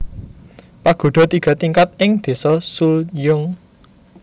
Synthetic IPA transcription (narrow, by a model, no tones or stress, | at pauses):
paɡ̥o̤ɖ̥ɔ̤t̪iɡ̥a̤t̪iŋkat̪̚ɪŋd̪̥e̤sɔsuljʊŋ